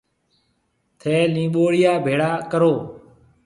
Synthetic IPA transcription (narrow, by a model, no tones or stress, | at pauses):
t̪ʰeːlĩːɓoːɽɪjaːbʱeːɽaːkəɾoː